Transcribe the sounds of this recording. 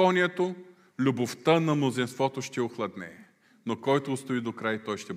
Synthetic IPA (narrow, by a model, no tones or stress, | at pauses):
ɔnʲiɛt̪o | lʲuboft̪ənɐmnozinst̪vɔt̪oʃt̪ɛʊxlˠɐd̪nɛ | nokɔjt̪oːst̪ʊid̪okɾajt̪ɔjʃt̪ɛ